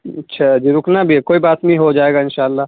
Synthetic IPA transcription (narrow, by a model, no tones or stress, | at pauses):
ɐtːʃʰad͡ʒiɾʊknabʱiɛkoːibaːt̪mĩɦod͡ʒaːeːɡaɪnʃaːəlːaːɦ